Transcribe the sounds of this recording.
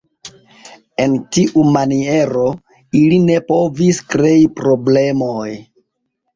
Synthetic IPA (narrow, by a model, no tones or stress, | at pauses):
e̞ntiʔumanie̞ɾo̞ | iline̞po̞viskɾe̞ipɾo̞ble̞moj